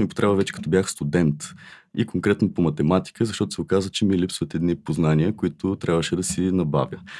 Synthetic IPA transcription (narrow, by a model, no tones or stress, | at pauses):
mipo̥t̪ɾɛbəvɛt͡ʃɛ̥kɐ̥t̪ɔbʲjaxst̪ud̪ɛnt̪ḭkoŋkɾɛt̪nopomɐt̪ɛmat̪i̥kəzɐʃt̪ɔt̪ʊsɛʊkazət͡ʃɛmilipsvət̪ɛd̪nipoznaniəkʊit̪ʊt̪ɾʲabvəʃɛd̪ɐsinɐba̰vʲjə